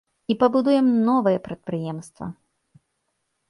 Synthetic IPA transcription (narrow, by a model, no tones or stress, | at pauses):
ipɐbud̪ujɛmnɔvɨjɛpɾɐt̪̚pɾɨjɛmst̪vɐ̰